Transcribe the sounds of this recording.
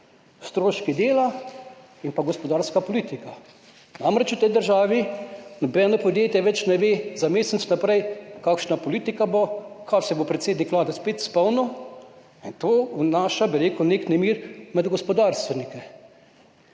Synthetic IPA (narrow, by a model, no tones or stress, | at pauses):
st̪ɾoːʃkid̪eːla | inpaɡɔspɔd̪aːɾskapoliːt̪ika | namɾɛt͡ʃut̪ɛjd̪əɾʒaːʋinɔbɛnopɔd̪jeːt̪jɛʋɛt͡ʃnɛʋeːzameːsɛt̪snapɾɛjkaːkʃnapoliːt̪ikabokʰasɛbopɾɛt̪seːd̪nikʋlaːd̪ɛspeːt̪spɔwnu | int̪oːwnaːʃabiɾeːkuneːknɛmiːɾmɛd̪ɡɔspɔd̪aːɾst̪ʋɛnikɛ